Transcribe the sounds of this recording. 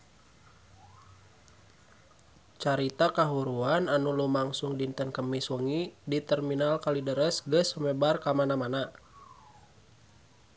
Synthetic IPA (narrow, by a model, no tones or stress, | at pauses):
t͡ʃaɾit̪akaɦuɾuananulumaŋsuŋdint̪ənkəmiswəŋidit̪ərminalkalidəɾəsɡəsəmebarkamanamana